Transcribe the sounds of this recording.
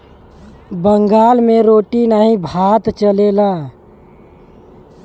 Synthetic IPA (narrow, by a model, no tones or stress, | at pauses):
bəŋɡaːlmẽɾoːʈinaɦĩbʱaːt̪t͡ʃəlelaː